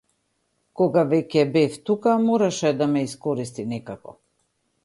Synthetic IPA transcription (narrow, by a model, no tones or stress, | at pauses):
kɔɡavɛcɛbɛft̪ukamɔɾaʃɛd̪amɛiskɔɾist̪inɛkakɔ̰